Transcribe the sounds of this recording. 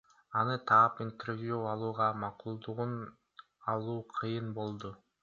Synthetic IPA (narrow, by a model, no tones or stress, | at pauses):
ɑnɯt̪ʰɑːpint̪ervjuɑlˠuːʁɑmɑqulˠd̪uʁun | ɑlˠuːqʰɯjɯnbo̞lˠd̪u